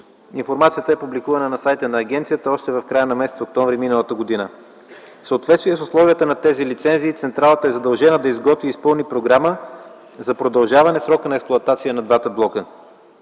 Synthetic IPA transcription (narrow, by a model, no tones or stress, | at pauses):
infoɾmat̪sijət̪əɛpublikuvɐnənɐsajt̪ənɐːɡ̟ɛnt̪sijət̪əɔʃt̪ɛvɐfkɾajənɐmɛsɛt̪sok̚t̪ɔɱvɾiminəlˠət̪əɡod̪inə | fsəot̪vɛt̪st̪vijɛsʊslˠɔviət̪ənɐt̪ɛzilit̪sɛnziːt̪sɛnt̪ɾalˠət̪əɛzɐd̪ɐlˠʒɛnəd̪ɐizɡɔt̪viːspɤlˠnipɾoɡɾamə | zɐpɾod̪ɐlˠʒavɐnɛsɾɔkənɐɛksplˠʊɐt̪at̪sijənɐd̪vat̪əblˠɔkə